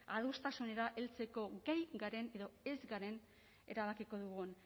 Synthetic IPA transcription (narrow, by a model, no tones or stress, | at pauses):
að̞ust̪asune̞ɾaʔe̞lt͡se̞ko̞ɡajɡaɾe̞ne̞ðo̞e̞zɡaɾe̞n | e̞̰ɾaβakiko̞ðuɣun